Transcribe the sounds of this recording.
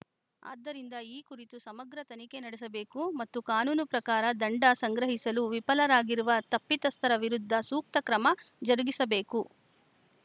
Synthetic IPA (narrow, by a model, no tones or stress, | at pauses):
a̰ːd̪ːɐɾind̪ɐiːkuɾit̪usɐmɐɡɾɐt̪ɐnike̞nɐɽesɐbe̞ːkumɐt̪ːukaːnuːnupɾɐkaːɾɐd̪ɐɳɖɐsɐŋɡɾɐɦisɐluʋipɐlɐɾaːɡiɾuʋɐt̪ɐpːit̪ɐst̪ʰɐɾɐʋiɾud̪ʱːɐsuːk̚t̪ɐkɾɐmɐd͡ʒɐɾuɡisɐbe̞ːku